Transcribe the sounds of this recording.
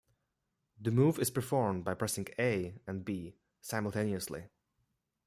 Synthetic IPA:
ðɨmuvɨz̥pə˞fɔɹmbaɪpʰɹ̥ɛsɪ̃ŋeɪɨ̃nbi | sãɪ̃məl̩ˠtʰẽɪniɨslḭ

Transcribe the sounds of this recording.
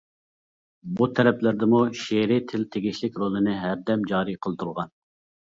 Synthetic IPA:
but̪ʰɛɾɛplɪɾd̪ɪmuʃeɾɪt̪ʰɪlt̪ʰeɡʲiʃlɪkʲɾolˠɨnɪɦæɾd̪ɛmd͡ʒɑːɾiqʰəlˠt̪ʰuɾʁɑn

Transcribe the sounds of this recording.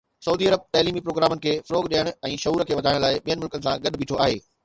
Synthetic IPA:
sɐuːd̪iɐɾəb̚t̪aːliːmipɾoːɡɾaːmənɪ̆kʰeːfɐɾoːɡɗiːəɽ̃ʊɛ̃ːʃɐɦuːɾkʰeːʋɐd̪ʱaːɪɽ̃laːɪɓijənɪ̆mʊlkənɪ̆sãɡɐɗbiːʈʰoaːɦeː

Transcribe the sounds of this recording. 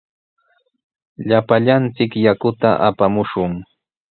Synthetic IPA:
ʎapaʎant͡sɪkjakʊt̪aʔapamʊʃʊŋ

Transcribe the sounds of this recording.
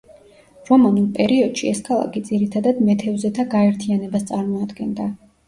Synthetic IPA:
ɾɔmanulˠpʼɛɾiɔd̪̥ʃiɛskʰalˠa̰kʰid̪ziɾit̪ʰad̪ad̪mɛt̪ʰɛɔzɛt̪ʰaɡaɛɾt̪ʰianɛbast̪sʼaɾmɔad̪ɡɛnd̪a

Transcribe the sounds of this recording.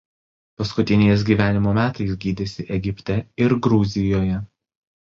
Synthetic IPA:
pɐskʊt̪ʲɪnʲɛɪs̬ʲɡʲiːʋʲæːnʲɪmoːmʲæːt̪ɐɪsɡʲiːd̪ʲɪsʲɪʔɛɡʲɪpʲt̪ʲɛɪɾɡɾʊzʲɪjoːjɛ

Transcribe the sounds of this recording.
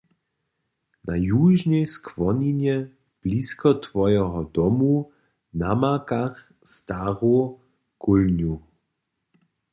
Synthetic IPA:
najuʒnɛskvɔɲiɲjɛ | b̥liskɔt̪vɔjɛɦɔd̪ɔmu | namakax | st̪aʁu | kʰulɲu

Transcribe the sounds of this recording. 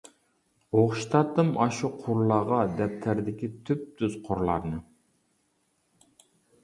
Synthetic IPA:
oχʃt̪ʰɑt̪ːɨmɑʃuqʰʊɾlˠɑːʁɑd̪ɛp̚t̪ʰæɾd̪ɪkʲit̪ʰyp̚t̪ʰyz̥qʰoɾlˠɑ̰ɾnɨ

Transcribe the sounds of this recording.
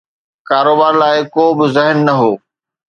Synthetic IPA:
kaːɾoːbaːɾlaːɪkoːbɪzɪɦnːɐɦoː

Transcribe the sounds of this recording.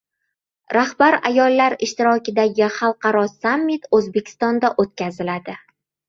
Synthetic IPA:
ɾahbaɾajɒlˠːaɾɪʃt̪ɪɾɒkʲɪd̪aɡʲɪχɑlˠqɑɾɒsamːɪt̪ɵzbe̞kʲʰɪ̥st̪ɒnd̪aʔot̪̚kʲazɪlad̪ɪ

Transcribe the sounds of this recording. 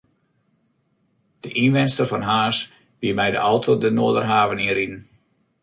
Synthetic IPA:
d̥əʔinʋɛnstərfɔnɦaːs | b̥iəmɛjdə̰ʔɔwtʰodənoːədərɦaːvəninɾidn̩

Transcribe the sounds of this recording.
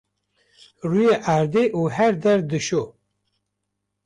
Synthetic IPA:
ruːjeʔaːɾd̪eːʔuːhæɾd̪ɛɾd̪ɨʃo

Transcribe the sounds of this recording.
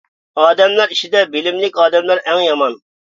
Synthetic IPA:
ɑːd̪ɛmlˠæɾiʃid̪ɛbɪlɪmlɪkʲɑːd̪ɛmlˠæɾʔɛŋjɑmɑn

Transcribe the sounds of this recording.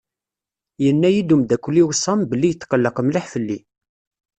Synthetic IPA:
jənːæjid̪umd̪ækʷːlːiwsˤːɑmbəlːijət̪ːqəlːəqəmliħfəlːi

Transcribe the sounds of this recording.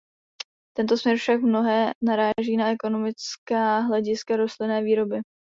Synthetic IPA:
t̪ɛnt̪osmɲɛɾfʃak̚mno̞ɦɛːnaɾaːʒiːnaʔɛko̞no̞mɪt͡skaːɦlɛɟɪskaɾo̞st̪lɪnɛːviːɾo̞bɪ

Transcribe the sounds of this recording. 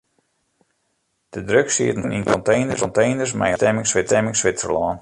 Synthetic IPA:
d̥ədrøksḭətnəninkɔntejnəsɔntejnərsmɛ̰jtɛmɪŋsʋɪtɛmɪŋsʋɪsəlɔːn

